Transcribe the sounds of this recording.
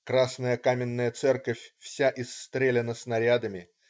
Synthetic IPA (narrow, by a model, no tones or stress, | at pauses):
kɾasnəjəkamʲɪnːəjət̪sɛrkəfʲfsʲaʔɪsːt̪ɾʲelʲɪnəsnɐɾʲad̪əmʲɪ